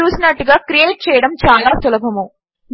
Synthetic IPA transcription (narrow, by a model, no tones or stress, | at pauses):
uːsinɐʈːuɡaːkɾijeːʈ̚t͡ʃɛːjɐɽɐmt͡ʃaːlaːsɔlɐbʱɐmu | n